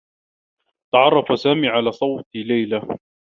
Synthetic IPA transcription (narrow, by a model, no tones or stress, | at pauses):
t̪ɑʕɑrˤːɑfasaːmiːʕalaːsˤɑwt̪ilajla